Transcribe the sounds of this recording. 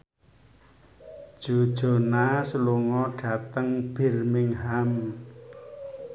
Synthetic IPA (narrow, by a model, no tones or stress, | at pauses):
d̥ʒ̥o̤d̥ʒ̥o̤nasəluŋɔɖ̥ä̤t̪əŋb̥ɪ̤rmɪŋɦam